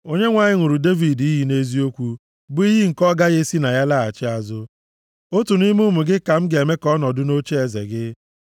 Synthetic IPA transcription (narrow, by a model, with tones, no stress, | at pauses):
o˦ɲe˦ŋʷa˨ɲɪ˦ŋʷu˨ɾu˨de˦vi˨di˦ɦi˨ne˦zi˦o˦kʷu˦ | bʊ˦i˦ɦi˦ŋ̩˨kɔ˦ɡa˦ɣe˦si˦na˨ja˦la˦˨a̰˨t͡ʃɪ˦a˨zʊ˦ | o˦tu˨ni˦mʊ˦mʊ˨ɡɪ˦ka˨m̩˦ɡe˨me˦kɔ˦nɔ˨dʊ˦no˦t͡ʃe˦e˨zḛ˨ɡɪ˦